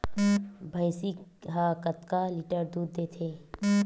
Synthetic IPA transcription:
bʱəjsikɦaːkət̪kalɪʈəɾd̪uːd̪ːeːt̪ʰeː

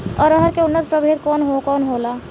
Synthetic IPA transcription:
ɔ̰ːɾəɦəɾkeʊnːət̪pɾɐbʱeːt̪kɔːnɦokɔːnɦoːlaː

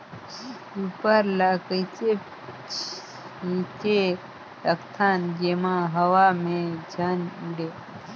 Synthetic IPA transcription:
upəɾlakəjt͡se | ĩte | ɾəkt̪ʰanɡemãɦəʋamẽd͡ʒʱənuɽe

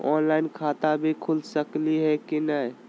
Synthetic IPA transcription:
ɔ̰nlaɪnkʰat̪abʱikʰulsəkliɦɛkinəj

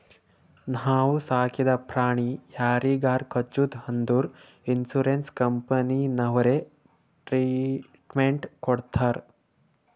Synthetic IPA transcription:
nɦaːwusaːkid̪apɾaːɳ̃ijaːɾiːɡaːɾkʰɐt͡ʃud̪hɐnd̪uːɾ | insuɾenskɐmpɐninɐʋɐɾe | ʈɾiːʈmeɳʈkɔɽt̪ʰaːɾ

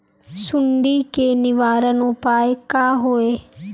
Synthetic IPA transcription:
sʊɳɖikenɪʋaːɾənõpaːekaːɦoːeː

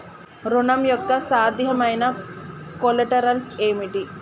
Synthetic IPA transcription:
ɾunɐmjok̚t̪ːɐsaːd̪ʱjɐmɐjnɐkolɐʈɐɾɐlseːmiʈi

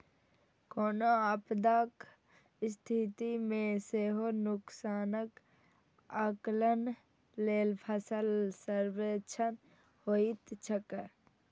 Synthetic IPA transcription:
koːnoapd̪aːk | st̪ʰit̪imẽseːɦonʊksaːnək | aklən | leːlpʰəsəlsəɾʋet͡ʃʰən | hoit̪t͡ʃʰəkə

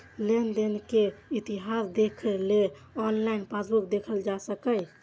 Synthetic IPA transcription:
lend̪enkeit̪iɦasd̪ekʰəle | ɔnlainpasbukd̪ekʰəld͡ʒasəkəj

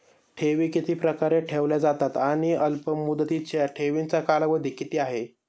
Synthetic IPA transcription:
ʈʰeʋiːkit̪ʰiːpɾəkaɾeʈʰeʋljad͡zat̪at̪aɽ̃iəlpəmud̪ət̪it͡ɕjaʈʰeʋint͡sakalaʋəd̪ʱikit̪iːaɦe

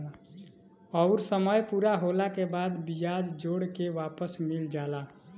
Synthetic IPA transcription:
ɔʊɾsəməjpuɾaɦolakebad̪bijad͡ʒd͡ʒoɽkeʋapəsmild͡ʒala

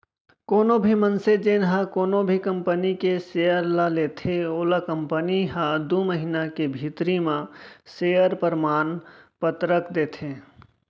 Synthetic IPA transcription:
koːnobʱimənsed͡ʒeːnɦakoːnobʱikəmpənikeseːəɾlaleːt̪ʰeoːlakə̃mpəniɦad̪uməɦinakebʱit̪ɾimãseːjəɾpəɾmaːnpət̪ɾəkd̪eːt̪ʰẽ

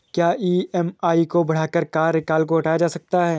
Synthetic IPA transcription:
kjaːiːɛmaːikobɐɽ̤aːkəɾkaːɾɪkaːlkoɦɐʈaːjad͡ʒaːsɐk̚t̪aɦɛː

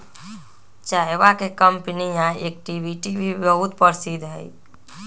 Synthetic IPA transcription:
t͡ʃaːjʋakekəmpnijãeːk̚ʈibʱiʈibʱibəɦut̪pəɾsid̪ɦəi

